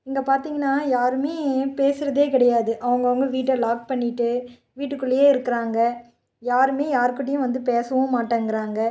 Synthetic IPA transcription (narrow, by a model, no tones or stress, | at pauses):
ɪŋɡɐpaːɾt̪iːŋɡɐnːaːjaːɾɯmeːpeːsɯɾɐðeːkɪɽɐjaːðɯʔɐʋɐŋɡɐʋɐŋɡɐʋiːʈːɐlaːk̚pɐɳːɪʈːɯ | ʋiːʈːɯkːɯɭːɐjeːɪɾɯkːɪɾaːŋɡɐ | jaːɾɯmeːjaːɾɯkːɪʈ̬ːɪjʊ̃ʋɐnd̪ɯpeːsɐʋɐ̃maːʈːaːŋɡɪɾaːŋɡɐ